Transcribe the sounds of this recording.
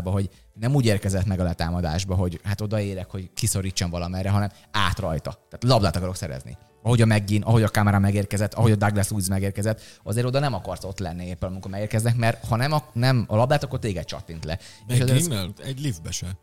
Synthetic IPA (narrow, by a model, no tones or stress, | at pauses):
bɒɦo̞ɟ | nɛmuːɟeːrkɛzɛt̪mɛɡɒlɛt̪aːmɒd̪a̰ːʒbɒɦo̞ɟhat̪o̞d̪ɒeːɾɛkho̞ɟkiso̞ɾiːt͡ʃːɒɱvɒlɒmɛrːɛɦɒnɛm | aːt̪rɒjt̪ɒ̰t̪aːt̪lɒblaːt̪ɒkɒɾo̞ksɛɾɛ̰znḭ | ɒɦo̞ɟɒmɛɡːiːnʔɒɦo̞ɟɒkaːmɛɾamɛɡeːrkɛzɛt̪ːɒɦo̞ɟɒd̪aɡlɛsluizmɛɡeːrkɛzɛt̪ːɒzeːɾo̞d̪ɒnɛmɒkɒrso̞t̪lɛ̰nːieːpːɛnɒmiŋkomɛɡeːrkɛznɛkmɛrt̪hɒnɛmɒnɛmɒlɒblaːt̪ɒkːort̪eːɡɛt̪̚t͡ʃɒ̰t̪ːint̪lɛ̰eːʃɛzeːlɛɟlivbɛʃɛ